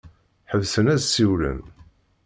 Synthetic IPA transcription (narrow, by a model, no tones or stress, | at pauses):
ħəvsənæðsːiwlə̰n